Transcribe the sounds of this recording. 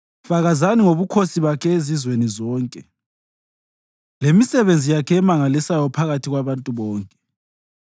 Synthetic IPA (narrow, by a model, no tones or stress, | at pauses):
faɣazaniŋoβukʰosiβakʰɛezizwenizɔːŋkʼɛ | lemisɛβend͡zʱijakʰɛɛmaŋalisajɔpʰaɣatʰiɣwaβantʼuβɔːŋkʼɛ̥